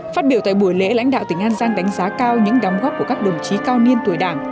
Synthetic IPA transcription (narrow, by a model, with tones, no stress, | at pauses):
faː˦˥t̚ɓi˧˩əwt̪ːjɓu˧˩əjlḛ˧˥la̰˧˥jŋ̟ɗa̰ː˧˨wt̪ï˧˩ŋ̟ʔaː˧nzaː˧ŋɗa˨˦jŋ̟zaː˨˦kaː˧wɲɨ̰˧˥ŋɗaː˨˦mɣɔ˦˥p̚ku˧˩əkaː˦˥k̚ɗə˨˩ŋ͡mt͡ɕi˨˦kaː˧wni˧ənt̪u˧˩əjɗaː˧˩ŋ